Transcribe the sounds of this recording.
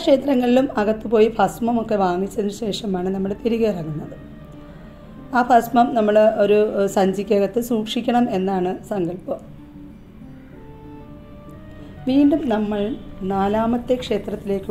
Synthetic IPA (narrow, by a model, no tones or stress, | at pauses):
kʂe̞ːt̪ɾɐŋːɐɭilumɐɣɐt̪ːɨpo̞ːjifʰɐsmɐmo̞kːe̞ʋaːŋit͡ɕːɐðinɨɕe̞ːʂɐmaːɳɨnɐmːɐɭp̪eɾiɣerɐŋːunːɐðɨ | aːpʰɐsmɐmnɐmːɐɭo̞ɾusɐɲd͡ʑikʲːɐɣɐt̪ːɨsuːkʂikʲːɐɳɐme̞nːaːɳɨsɐŋɡɐɭpɨ | ʋiːɳɖumnɐmːɐɭnaːlaːmɐt̪ːe̞kʂe̞ːt̪rɐt̪ːile̞ːkːɨ